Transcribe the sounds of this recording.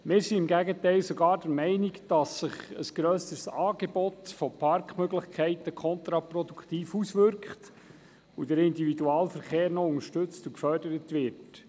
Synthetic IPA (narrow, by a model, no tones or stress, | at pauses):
mɪːɾsiɪmɡæɡətɛɪlsɔɡɑːɾd̥əɾmɛɪniɡd̥ɑsːɪχə̰sɡ̥ɾøːsəsɑːɡ̥ebɔt̪fɔpʰɑrkχmøɡlɪχkʰɛɪtəkʰχɔnt̪ɾɑprɔdukχt̪iːfusʋʏɾkχt | udəɾɪndividuɑːlfəɾχeːɾnɔʊŋəʃtɵt͡stukfœrdəɾətʋɪɾt